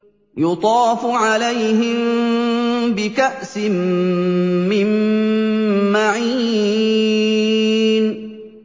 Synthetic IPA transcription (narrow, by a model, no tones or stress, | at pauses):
jʊt̪ˤɑːfʊʕalajɦɪm | bɪkaʔsɪmː | ɪm | aʕiː | n